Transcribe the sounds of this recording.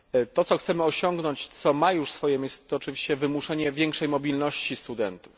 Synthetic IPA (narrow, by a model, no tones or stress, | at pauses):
t̪ɔt̪sɔxt̪sɛmɘɔɕɔŋɡnɔɲt͡ɕt̪sɔmajuʂsfɔjɛmʲejsɛ̥t̪ɔːt͡ʂɘvʲiɕt͡ɕɛvɘmuʂɛɲɛvʲjɛŋkʂɛjmɔbʲilnɔɕt͡ɕist̪ud̪ɛnt̪u̥f